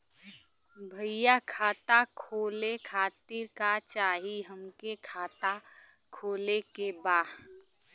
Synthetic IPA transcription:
bʱəijakʰaːt̪akʰoːlekʰaːt̪iːɾkat͡ʃaːɦiɦəmkekʰaːt̪a | kʰoːlekebaː

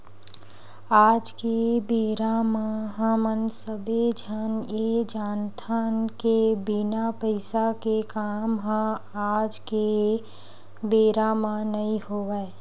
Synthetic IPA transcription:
aːd͡ʒkebeːɾamaɦə̃mənsəbed͡ʒʱanjed͡ʒaːnt̪ʰaːnkebinapəɪsakekaːmɦãaːd͡ʒke | beːɾamanəɦĩɦoːʋəe

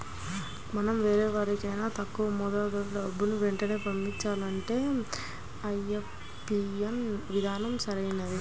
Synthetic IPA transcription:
mɐnɐmʋe̞ːɾɛːʋaːɾikɐjnaːt̪ɐkːuʋɐmɔd̪aːd̪ɐɾlɐɐbːunuʋeɳʈɐne̞ːpɐmːiɲt͡ʃːaːlɐɳʈe̞ː | ɐjef | iɐnʋid̪ʱaːnɐmsɐɾɐjnɐd̪i

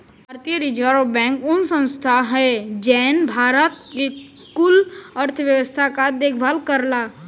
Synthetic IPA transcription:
aɾt̪iəɾid͡ʒaɾobɛ̃ːŋkʊnsə̃nst̪ʰaɦɛd͡ʒɛːnbʱaːɾət̪̚kekʊləɾt̪ʰʋjəʋəst̪ʰakad̪eːkʰbʱalkəɾlaː

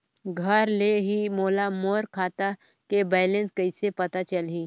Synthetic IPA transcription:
ɡʱəɾleɦimoːlamoːɾkʰaːt̪a | kebɛːjlẽnskəɪsepɐt̪at͡ʃəlɦi

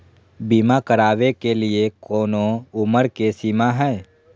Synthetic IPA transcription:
bimakəɾaːʋekelɪekoːnoʊməɾkesiːmaɦɛː

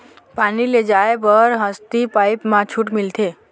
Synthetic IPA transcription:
paniled͡ʒaebəɾɦəst̪ipajpmãt͡ʃʰuʈmilt̪ʰe

